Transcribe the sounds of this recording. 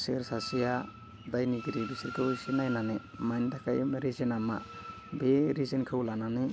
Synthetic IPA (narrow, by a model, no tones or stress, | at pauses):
seɾsasija | dajniɡiɾidisiɾkʰɯwsinajnanemajndakʰaj̰mɾizinama̰ | beɾizinkʰɯwlanani